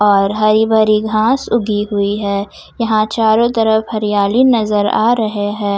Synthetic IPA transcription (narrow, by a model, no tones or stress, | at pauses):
ɔːɾɦɐɾibʱɐɾiɡʱãːsʊɡiɦʊiɦɛː | jɐɦãt͡ʃaːɾõt̪ɐɾəfɦɐɾijaːlinɐzəɾa̰ːɾɐɦeɦɛ̃ː